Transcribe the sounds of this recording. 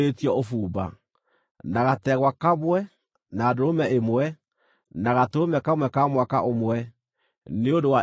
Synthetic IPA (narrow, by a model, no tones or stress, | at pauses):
etiɔofuːba̰ | naɣatɛɣwakamwɛ | naːdoɾomɛemwɛ | naɣatoomɛkamwɛkamwaka̰ʔomwɛ | neondowa